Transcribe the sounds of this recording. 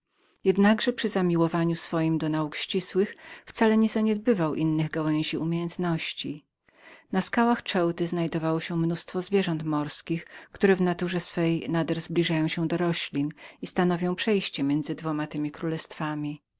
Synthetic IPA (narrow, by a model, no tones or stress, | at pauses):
jɛd̪naɡʐɛpʂɘzamʲiwɔvaɲusfɔjimd̪ɔnaukɕt͡ɕiswɘxft̪salɛɲɛzaɲɛd̪̚bɘvawʔinːɘɣɡawɛ̃ɲ̃ʑiʔumʲjejɛnt̪nɔɕt͡ɕi | naskawaxt͡ʂɛwt̪ɘznajd̪ɔvawɔɕɛmnust̪fɔzvʲjɛʐɔnt̪mɔɾskʲixkt̪uɾɛvnat̪uʐɛsfɛjnad̪ɛɾzblʲiʐajɔ̃w̃ɕɛ̃d̪ɔɾɔɕlʲinist̪anɔvʲjɔ̃w̃pʂɛjɕt͡ɕɛmʲjɛnd̪zɘd̪vɔmat̪ɘmʲikɾulɛst̪famʲi